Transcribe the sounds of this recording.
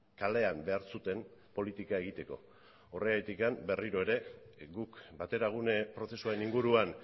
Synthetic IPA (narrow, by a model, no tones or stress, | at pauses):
kale̞ambe̞aɾsut̪e̞npo̞lit̪ikae̞ɣit̪e̞ko̞̰ | oreajt̪ikambe̞riɾo̞e̞ɾe̞ɡukbat̪e̞ɾaɣ̞unepɾo̞θe̞suaɾe̞niŋɡuɾuan